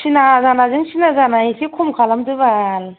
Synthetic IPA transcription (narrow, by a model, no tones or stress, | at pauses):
sinazanazɯŋsinazanaisikʰumkʰalamdɯβal